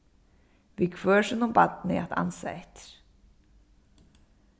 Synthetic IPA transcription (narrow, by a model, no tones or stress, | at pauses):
vɪkʰvœːʂɛnɔmbat̪nɪ̰at̪ʰa̰nsa̰ɛt̪ɾ̥